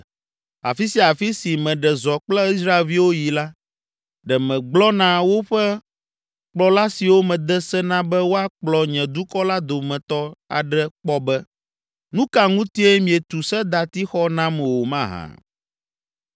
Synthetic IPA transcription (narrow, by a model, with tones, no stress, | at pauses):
a̰˨fi˦si˦a˨fi˦si˨mɛ̃˨ɖɛ˨zɔ˨k͡plɛ˦i˦s̬ɾa˦e˨lvi˦wo˦ji˨la˦ | ɖɛ˨mɛ̃˨ɡ͡blɔ˦nã˦wo˦ɸɛ˦ | k͡plɔ˨la˦si˨wo˦mɛ̃˨d̪ɛ˦sɛ˦nã˦bɛ˦wo˦a˦k͡plɔ˨ɲɛ̃˨d̪u˦kɔ˦la˦d̪o˨mɛ̃˨t̪ɔ˦a̰˨ɖɛ˦k͡pɔ˦bɛ˦ | nũ˦ka˨ŋũ˦t̪i˦ɛ˦mĩ˨ɛ˨t̪u˨sɛ˦d̪a˨t̪i˦xɔ˦nã˦mɛ̃˨wo˨mã˦ɦã̰˨